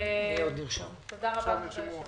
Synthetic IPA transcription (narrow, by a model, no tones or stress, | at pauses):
eod̪niʁʃamt̪od̪aʁabae